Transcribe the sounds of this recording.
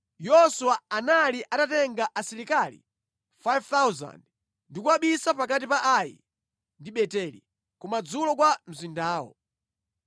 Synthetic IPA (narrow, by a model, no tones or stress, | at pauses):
jɔsuwaanaliʔadatɛŋɡaʔasiɾikalḭ | fajvt̪awza̰nd | ndikuwaɓisapakat̬ipaʔajḭ | ndiɓɛtɛlḭ | kumad͡zulɔkwam̩zindaːwɔ̰